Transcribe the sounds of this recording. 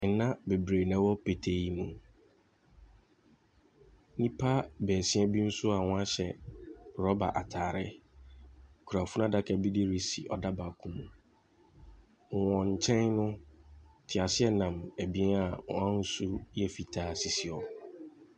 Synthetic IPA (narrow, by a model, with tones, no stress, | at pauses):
n̩˨nã˦be˨bɾe˨nɛ̃˨˦wɔ˦pe˨tʰe˦ji˦mũ˨ | nĩ˦pʰa˦bɛː˨sɪ̃˦ɛ˦bi˦n̩˦sʊ˦a˨wɔ̃˦a˦ɕɛ˨ɾɔ˦ba̰˨ʔa˨tʰaː˨ɾɪ˦ | kʰu˨ɾa˨fu˦nã˦da˦kʰɛ˨bi˦di˦ɾi˦si˨ʔɔ˨da˦ba˨kʰũ˦mũ˨ | wɔ̃˨ɲ̩˨t͡ɕʰɛ̃˦nnʊ̃˦ | tʰɪ˨a˨sɪ˦ɛ˦nã˨mæ˨bi˦a˨ɔ̰̃˨ã˦n̩˦su˦jɛ˦fi˨tʰaː˦si˨si˨ɔ˨